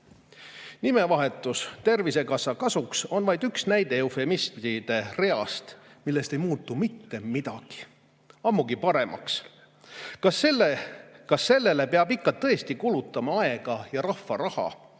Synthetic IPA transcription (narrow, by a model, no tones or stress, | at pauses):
nime̞vɑɦe̞t̪ːˑust̪e̞rvise̞kɑsɑkɑsukso̞nvɑjd̪yksnæjd̪e̞ofe̞mismid̪̥e̞re̞ɑst̪ | milːe̞st̪e̞jmuːt̪ːˑumit̪ːe̞mid̪̥ɑ̰ɡ̥i̥ | ɑmːuɡipɑɾe̞mʔɑ̰ks | kɑselːekɑsːe̞lːe̞le̞peɑbikːɑt̪ːɤ̞est̪ikulut̪ːˑɑmɑɑe̞ɡ̥ɑjɑɾɑfːɑɾɑhɑ̰